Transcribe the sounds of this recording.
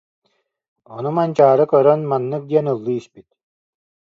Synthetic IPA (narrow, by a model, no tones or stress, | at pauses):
ɔnumant͡ɕaːɾɯkœɾœnmanːɯk̚d̪iɛnɯlˠːɯispit̪̚